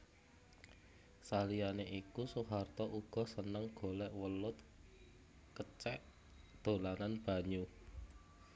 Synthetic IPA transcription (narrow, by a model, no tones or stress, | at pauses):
salijaneʔikusuɦart̪ɔʔuɡ̥ɔ̤sənəŋɡ̥o̤lɛʔwəlʊt̪ | kət͡ʃɛʔ | d̪̥o̤lananb̥ä̤ɲu